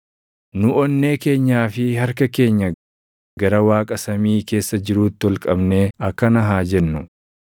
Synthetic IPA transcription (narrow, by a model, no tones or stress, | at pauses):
nʊʔɔnːe̞ːke̞ːɲːaːfɪhɐɾkɐke̞ːɲːɐ | ɡɐɾɐwaːkʼɐsɐmiːke̞ːsːɐd͡ʒɪɾuːt̪ːɪɔlkʼɐbne̞ːɐkːɐnɐɦaːd͡ʒɛnːʊ